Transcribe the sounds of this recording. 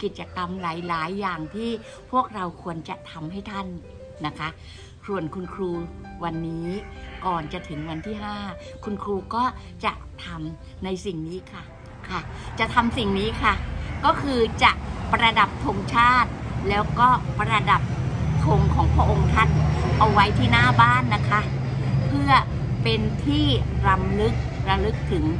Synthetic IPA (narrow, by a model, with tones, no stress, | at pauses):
ki˨˩t̪̚t͡ɕa˧ka˧mlaː˩˦jlaː˩˦jːaː˨˩ŋt̪ʰiː˥˩ | pʰu˥˩ək̚ɾa˧wkʰu˧ənt͡ɕa˨˩t̪ʰa˧mɦa˥˩jt̪ʰa˥˩nː | a˦˥kʰa˦˥ | su˨˩ənkʰu˧nkʰɾuː˧wa˧nːiː˦˥kɔː˨˩nt͡ɕa˨˩t̪ʰɯ˩˦ŋwa˧nt̪ʰiː˥˩ɦaː˥˩ | kʰu˧nkʰɾuː˧kɔː˥˩ | t͡ɕa˨˩ʔt̪ʰa˧m | na˧jsi˨˩ŋniː˦˥kʰa˥˩ | kʰa˥˩t͡ɕa˨˩t̪ʰa˧msi˨˩ŋniː˦˥kʰa˥˩kɔː˥˩kʰɯː˧t͡ɕa˨˩ʔpɾa˧da˨˩p̚t̪ʰo˧ŋt͡ɕʰaː˥˩t̪̚lɛː˦˥wkɔː˥˩pɾa˧da˨˩p̚t̪ʰo˧˩ŋkʰɔː˩˦ŋpʰɾa˧ʔo˧ŋt̪ʰa˦˥t̪̚ʔa˧wa˦˥jt̪ʰiː˥˩naː˥˩baː˥˩nːa˦˥kʰa˦˥ | pʰɯ˥˩ɐ | pe˧nt̪ʰiː˥˩ | ɾa˧mlɯ˦˥k̚ɾa˧lɯ˦˥k̚t̪ʰɯ˩˦ŋ